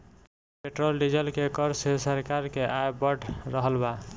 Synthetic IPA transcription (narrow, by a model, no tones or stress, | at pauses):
peʈɾolɖid͡ʒəlkekəɾsesəɾkaɾkeʔajbəʈʰɾəɦəlba